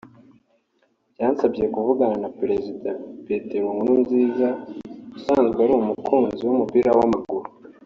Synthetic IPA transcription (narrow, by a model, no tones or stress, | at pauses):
bjaːnsabɟe̞kuvuɡaɾanapɾe̞zidapeteɾweŋunumziːzausaːnzɡeaɾuumukʰuːnziwumupiɾawamaɡuɾu